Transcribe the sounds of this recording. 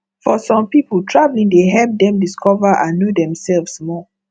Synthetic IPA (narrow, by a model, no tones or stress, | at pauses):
fɔsɔ̃mpipəltʰɹavlĩŋdeɦɛlp̚dɛ̃mdiskʰɔvəʔãnːodɛ̃msɛlvsmɔ